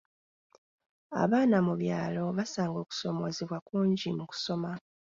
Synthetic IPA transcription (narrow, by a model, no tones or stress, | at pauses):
a̰βaːnamuβjaːlo̞βasaːŋɡo̞ːku̥so̞mo̞ziβwakuːɲɟimuku̥so̞ma